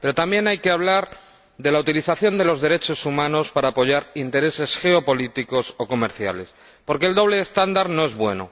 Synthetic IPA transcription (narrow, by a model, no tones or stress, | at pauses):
peɾo̞t̪ambje̞najke̞aβlaɾ | ðe̞laut̪iliθaθjo̞nd̪e̞lo̞zðe̞ɾe̞t͡ʃo̞sumãno̞spaɾaːpo̞ʝaɾint̪e̞ɾe̞se̞sxe̞o̞po̞lit̪iko̞so̞ko̞me̞ɾθja̰le̞s | po̞ɾke̞ld̪oβle̞ːst̪and̪aɾno̞e̞zβwe̞̰no̰